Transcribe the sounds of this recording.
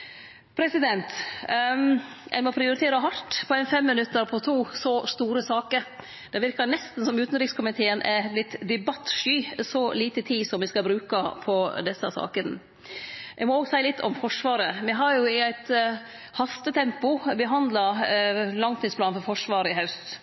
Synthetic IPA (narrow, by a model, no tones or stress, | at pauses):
pʰɾɛsɪd̪ɛnt̪ | ʔæ̰ɪmɔpʰɾɪʊɾɪt̪ʰeːɾɑɦɑɾʈ̪pʰɔæɪnfɛmːɪnʉt̪ːəɾpʰɔt̪ʰuːsɔst̪uːɾəsɑːkəɾ | d̪̥ɛʋɪɾkɑnɛst̪n̩sɔmʉːt̪nɾɪkskʰʊmɪt̪ʰeːənʔælɪt̪ːd̪ɛbɑt̪ːʂyːsɔliːt̪ət̪ʰiːsɔmʋɪskɑbɾʉːkɑpʰɔd̪ɛsːɑsɑ̰ːkən | ʔæɪmɔoːɡsæɪəlɪt̪ʰːɔ̰mfɔʂʋɑːɾəʋɛɦɑɾjʊɪæɪt̪ | hɑst̪ət̪ʰɛmpʊbəɦɑnd̪lɑ | lɑŋt̪ʰɪspʰlɑːnfɔɾfɔʂʋɑːɾəɪɦɑʉst̪